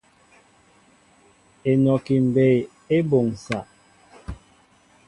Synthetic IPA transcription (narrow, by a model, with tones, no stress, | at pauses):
e˨nɔ˨ki˨m̩˨be˨j | e˦bo˨ŋ̩˨sa˨ʔ